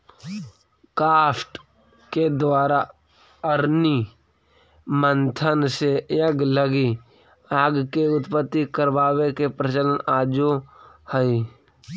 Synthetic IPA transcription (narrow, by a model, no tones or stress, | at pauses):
kaːsʈ | ked̪waːɾa | əɾni | mənt̪ʰənsejəɡləɡi | aːɡkeʊt̪pət̪ːikəɾbaːwekepɾət͡ʃələnaːd͡ʒohəi